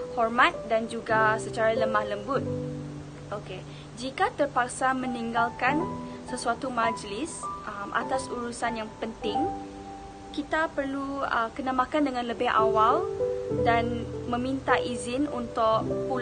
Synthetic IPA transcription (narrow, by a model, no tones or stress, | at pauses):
hɔrmat̪̚dand͡ʒuɡasət͡ʃaɾaləmahləmbʊt̪̚ | ʔoke | d͡ʒikat̪ərpak̚samə̃niŋɡalkansəsuat̪umad͡ʒlɪsʔəmʔa̰t̪asuɾusanjaŋpənt̪ɪŋ | kit̪apərluəkənamakandəŋãnləbɪha̰waldanmə̃mint̪aʔizɪnunt̪ʊʔpu